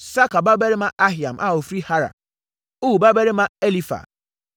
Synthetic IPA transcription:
sa˦ka˨ba˦be˦ɾe˦mã˦ʔa˦ɦi˨a˨mʔa̰˦˨o˨fɾi˦ha˦ɾa̰˨ | o˦wu˨ba˦be˦ɾe˦mã˦e˦li˦fa̰˨

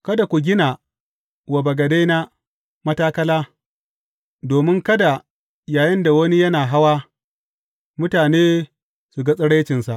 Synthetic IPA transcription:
kɐ˦da˨kʷu˨ɡʲɪ˦na˨ | wɐ˨bɐ˨ɡɐ˨de˦na˦ | mɐ˦taː˦kɐ˦laː˦ | doː˨mɪ˦ŋkɐ˦da˨ | jaː˨jɪ˦nda˨wɐ˦ni˦jɐ˦naː˨ɦa˦waː˦ | mʊ˦taː˨neː˦ | su˨ɡa˦sʼɐ˦ɽɐ˦t͡ʃɪ˨nsa˨ʔ

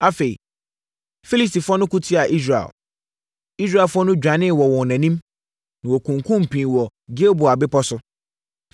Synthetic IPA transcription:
a˨fe˨ḭ˨ | fi˦li˦sti˨fʊ˦ɔ˦nʊ̃˦ku˦tʰi˦a˨ʔi˦s̬ɾa˨ɛ̰˨l | i˦s̬ɾa˦˨fʊ˦ɔ˦nʊ̃˦d͡ʑᶣa˨nɪ̃˦˨wɔ˨wɔ̃˨nã˨nĩ˦m | nã˨wɔ˨kʰũ˨ŋkʰũ˦m̩˨pʰĩ˨wɔ˨ɡe˦o˦bʊ˨a˨bɪ˦pʰɔ˦sʊ˦

